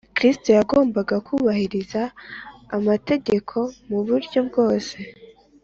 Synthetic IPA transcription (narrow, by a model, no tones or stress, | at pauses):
kɾisto̞jaɡo̞ːmbaɡakuβahiɾizaː | mate̞ɟe̞kʰo̞muβuɾɟo̞bɡo̞ːse̞